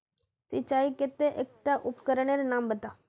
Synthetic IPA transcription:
sit͡ʃaːiket̪ːeʔek̚ʈːaʔʊpkɐɾɐɳeɾnaːmbɐt̪a

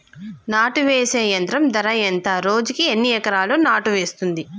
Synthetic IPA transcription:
naːʈuʋeːseːjɐnt̪ɾɐmd̪ɐɾɐjɐnt̪aːɾo̞ːd͡ʒukienːiɛkɐɾaːluːnaːʈuʋe̞ːst̪und̪i

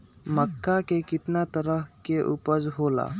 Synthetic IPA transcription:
məkːakekɪt̪nat̪əɾəɦkeʔupəɾɦola̰

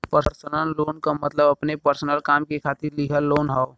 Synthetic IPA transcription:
pəɾɾsənəlːoːnkamɐt̪ləbɐpnepəɾsənəlkaːmkekʰaːt̪ɪɾliɦəloːnɦao

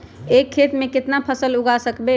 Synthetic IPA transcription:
ekʰːet̪mẽkɪt̪napʰəsəluɡasəkbe

